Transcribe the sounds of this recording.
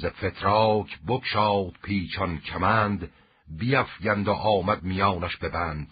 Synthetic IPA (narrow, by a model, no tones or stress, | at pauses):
zefet̪ʰɾɒːcʰbokʃɒːt̪pʰiːt͡ʃʰɒncʲʰæmæːnd̪ | bijæfjænd̪oʔɒːmæd̪̚mijɒːnæʃbe̞bæːnd̪̥